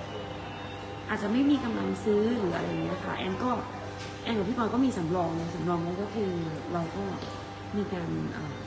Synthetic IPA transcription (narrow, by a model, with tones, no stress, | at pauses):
ʔaː˨˩t̪̚t͡ɕa˨˧ʔ̚ma˥˩jmiː˧ka˧mla˧ŋsɯː˦˥ɾɯː˩˦ʔa̰˧ɾa̰˧jŋiː˦˥a˧kʰa̰˦˥˩ʔɛ̰ː˧nkɔː˥˩ | ʔɛː˧nka˨˩pʰiː˥˩pɔː˧kɔː˥˩miː˧sa˩˦mɾɔː˧ŋlaː˦˥sa˨˩˦mɾɔː˧ŋlaː˦˥kɔː˥˩kʰɯː˧ | ɾa˧wkɔː˥˩ | miː˧kaː˧nʔaː˨˩m